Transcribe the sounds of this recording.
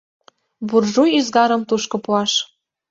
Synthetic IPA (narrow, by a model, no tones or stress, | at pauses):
βurʒujyzɡɑɾə̆mt̪uʃkɤ̆puɑʃ